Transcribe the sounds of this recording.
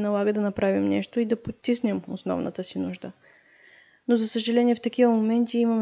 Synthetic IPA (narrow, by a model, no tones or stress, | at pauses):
nɐlˠaɡəd̪ɐnɐpɾavimnɛʃt̪oid̪ɐpot̪ːisnɛmo̰snɔ̰vnʔə̰t̪əsinuʒd̪ə | nozɐsəʒɐlɛniɛft̪ɐkivəmomɛnt̪iimɐm